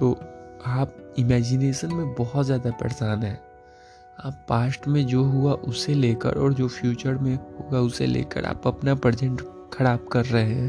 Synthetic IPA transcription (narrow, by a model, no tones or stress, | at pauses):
t̪oːaːp̚ɪmɛːd͡ʒɪneːʃənmẽbɔɦɔt̪zjaːd̪apɛ̰ːsaːnɦɛː | aːpːaːsʈmẽd͡ʒoːɦuaʔʊseleːkə̰ɾʔɔːɾd͡ʒoːfʰjuːt͡ʃəɾmẽɦoːɡaʊsḛlḛːkə̰ɾʔa̰ːpɐpnapɾəd͡ʒə̃ɳʈ | kʰɐɾaːb̚kɐɾːɐɦeɦɛ̃ː